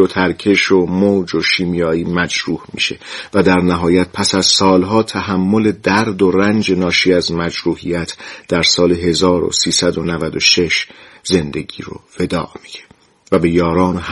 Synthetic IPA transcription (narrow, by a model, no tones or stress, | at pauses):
ot̪ʰæɾcʰe̞ʃomoːd͡ʒoʃiːmijɒːiːmæd͡ʒɾuːhmḭːʃe̞̰væd̪æɾnæɦɒːjæt̪̚pʰæsæz̥sɒːlɦɒːt̪ʰæɦæmːo̞le̞d̪æɾd̪o̞rænd͡ʒe̞nɒːʃiːæzmæd͡ʒɾuːhijæt̪ʰd̪̥æɾsɒːle̞ɦe̞zɒːɾo̰siːsæd̪o̞nævæd̪oʃe̞ʃze̞nd̪e̞ɟḭːɾo̰ve̞d̪ɒ̰ːʔmiɟe | væbe̞jɒːɾɒːnoh